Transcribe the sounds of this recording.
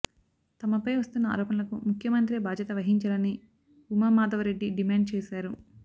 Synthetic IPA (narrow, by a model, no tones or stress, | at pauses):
t̪ɐmɐpɐjʋɐst̪unːɐa̰ːɾɔːpɐnɐlɐkumukʰjɐmɐnt̪ɾiɐbaːd͡ʒ̪ʱjɐt̪ɐʋɐɦiɲt͡ʃɐlɐnːi | umaːmaːd̪ɐʋɐɾeɖːiɖimaːɳɖ̚t͡ʃɛːsaːɾu